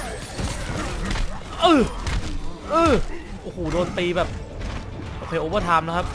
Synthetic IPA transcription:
ʔɯː˨˩ | ʔɯː˧˩ | ʔoː˨˩hoː˨˩doː˧nt̪iː˧bɛː˨˩p̚ | ʔoː˧kʰeː˧ʔoː˧˩paː˥˩t̪ʰaː˧mla˦˥kʰa˦˥p̚

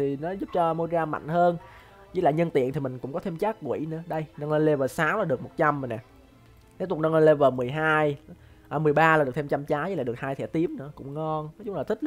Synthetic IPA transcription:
t̪ʰi˨˩nɔ˨˦zʊ˦˥p̚t͡ɕɔ˧mo˧zaː˧ma̰˧˨ŋ̟həː˧n | ḭ˧˥laː˨˩ɲə˧nt̪ḭ˧˨ənt̪i˨˩mï˨˩ŋ̟kʊ̰˧˥ŋ͡mkɔ˨˦t̪ʰe˧mt͡ɕaː˦˥k̚kwḭ˧˩nɨ̰˧˥əɗə˧jnə˧ŋlə˧jle˧vəː˨˩saː˨˦wlaː˨˩ɗɨ˨˩ək̚mo˨˩t̚t͡ɕa˧mːï˨˩na˨˩ | ke˨˦˥t̪ʊ˨˩nə˧ŋlə˧le˧vəː˨˩mɨ˨˩əjɦaː˧j | ʔəː˨˩mɨ˨˩əjɓaː˧laː˨˩ɨ˨˩t̪ʰe˧m̚t͡ɕa˧mt͡ɕaː˨˦jə˧˦˥laː˨˩ɗək̚haː˧jt̪ʰɛ˧˥t̪i˨˦əmnɨ̰˧˥əkʊ̰˧˥ŋ͡mŋɔ˧nnɔ˨˦t͡ɕʊ˨˦ŋ͡mlaː˨˩t̪ʰï˦˥

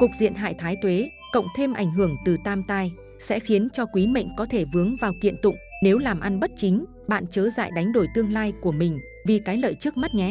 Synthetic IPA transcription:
ku˨˩k̚zḭ˧˨ənɦa̰ː˧˨jt̪ʰaː˨˦jt̪we˨˦ | kə̰˧˨wŋ͡mt̪ʰe˧mʔa˧˩jŋ̟ɦɨ˧˩əŋt̪ɨ˨˩t̪aː˧mt̪aː˧j | sɛ̰˧˥xi˨˦ənt͡ɕɔ˧kwi˨˦mə̰˧˨jŋ̟kɔ˨˦t̪ʰe˧˩vɨ˨˦əŋvaː˨˩wkḭ˧˨ənt̪ʊ̰˧˨ŋ͡mne˨˦wlaː˨˩mʔa˧nɓə˦˥t̚t͡ɕï˨˦ŋ̟ | ɓa̰ː˧˨nt͡ɕəː˨˦za̰ː˧˨jɗa˨˦jŋ̟ɗo˧˩jt̪ɨ˧əŋlaː˧jku˧˩əmï˨˩ŋ̟ | vi˨˩kaː˨˦jlə̰ː˧˨jt͡ɕɨ˦˥k̚ma˦˥t̚ɲɛ˨˦

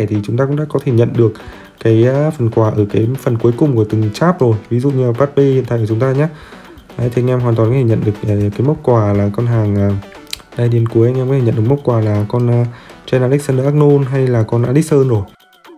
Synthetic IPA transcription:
ɛ˧˩t̪ʰi˨˩t͡ɕʊ˨˦ŋ͡mt̪aː˧kʊ̰˧˥ɗa̰ː˧˥kɔ˨˦t̪ʰe˧˩ɲə̰˧˨nɗɨ˨˩ək̚ | kːaː˨˦jfə˨˩nkwaː˧˩ʔəː˧˩kaː˨˦jfə˨˩nku˨˦jkʊ˨˩ŋ͡mku˧˩t̪ɨ˨˩ŋt͡ɕaː˦˥p̚zo˨˩jvi˨˦zṵ˧˨ɲɨ˧aː˨˩ɓaː˦˥t̚ɓe˧hḭ˨nt̪a̰ː˧˨kːt͡ɕʊ˨˦ŋ͡mt̪aː˧ɲaː˦˥ | ʔaː˨˦jt̪ʰe˨˧˦ŋʔɛ˧mɦwaː˨˩nt̪wnk̪ːʰe˧˩ɲə̰˧˨nɗɨ˨˩ək̚ːkaː˨˦jmə˦˥t̚kwaː˧˩laː˨˩kɔ˧nɦaː˨˩ŋəː˨˩ | ɗaː˧jɗi˨˧ənku˨˦əjɲ˧mkɔ˨˦e˧˩ɲə̰˧˨nɗɨ˨˩km˦˥t̚kwaː˨˩laː˨˩kɔ˧nː˧t͡ɕɛ˧naː˧lk̚saː˧nɗəː˧ʔaː˦˥k̚no˧nɦa˧jlaː˨˩kɔ˧nʔaː˧li˦˥k̚səː˧nzo˨˩j

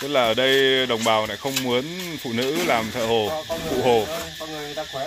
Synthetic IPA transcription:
t̪ɨ˦˥k̚laː˨˩ʔəː˧˩ɗə˧jɗə˨˩wŋ͡mɓaː˨˩wna̰ː˧˩jxə˧wŋ͡mmu˨˦ənfṵ˧˨nɨ̰˧˥laː˨˩mt̪ʰə̰˧˩ho˨˩fṵ˧˨ɦo˨˩

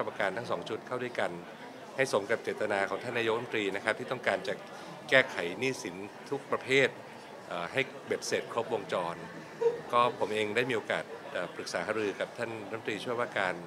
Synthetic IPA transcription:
a˥˧˩pa˧ka˧nt̪a˥˩ŋsɔː˩˦ŋt͡ɕʰu˦˥t̪̚kʰa˥˩wdu˥˩jka˧n | ha˥˩jso˩˦mka˨˩p̚t͡ɕeː˨˩t̪ːa˧naː˧kʰɔː˩˦t̪ʰa˥˩nːaː˧jo˥˩˧t̪ɾiː˧na˦˥kʰa˦˥p̚t̪ʰiː˥˩t̪ɔ˥˩ŋkaː˧nt͡ɕa˨˩ | kɛː˥˩kʰa˩˦jniː˥˩si˩˦nt̪ʰu˦˥k̚pɾa˧pʰeː˥˩t̪̚ | ʔaː˨˩ha˥˩j | be˨˩p̚seː˨˩t̪̚kʰɾo˦˥p̚wo˧ŋt͡ɕɔː˧n | kɔː˥˩pʰo˩˦mʔeː˧ŋdaː˥˩jmiː˧oː˧ka̰ː˨˩t̪̚ʔaː˨˩pɾɯ˨˩k̚saː˩˦ɦaː˩˦ɾɯː˧ka˨˩p̚t̪ʰaː˥˩nɾ̚t̪iː˧t͡ɕʰu˥˩əwaː˥˩kaː˧n

